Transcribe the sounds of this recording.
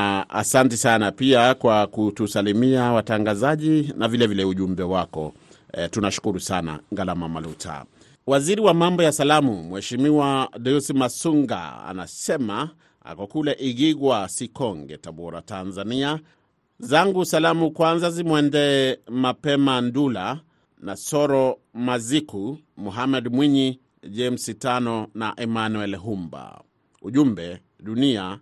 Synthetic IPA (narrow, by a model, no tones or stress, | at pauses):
a̰santisanapiakwakutusalimiawataŋɡazaʄinavilɛvilɛuʄumbɛwakɔ̰ | tunaʃu̥kuɾusana̰ŋɡalamamalutʰa̰ | waziɾiwamambɔjasalamumwɛʃimiwadɛusimasuŋɡa̰a̰na̰sɛma | a̰kɔkulɛʔiɣiɣwasikɔŋɡɛ̰taɓɔɾa̰tanzania | zaŋɡusalamukwanzazimwɛndɛːmapɛmandula | nasɔɾɔmaziku | muɦamɛdmwiɲi | ʄɛm̩sitanɔnaʔɛmanuɛlɦumba̰ | uʄumbɛ | ɗunia